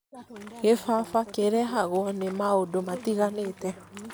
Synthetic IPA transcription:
ɣefafakeɾɛɦaɣwɔnemaodomatiɣanetɛ

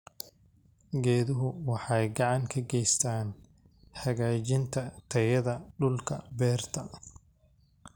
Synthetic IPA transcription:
ɡɛːðʊɦʊwɑħɑjɡɑʕɑŋkʰɐɡɛjst̪ʰaːn | hɐɣaːt͡ʃɪnt̪ʰɐt̪ʰɐjɐðɐɖʊlkʰɐ̰bɛːrt̪ʰɐ

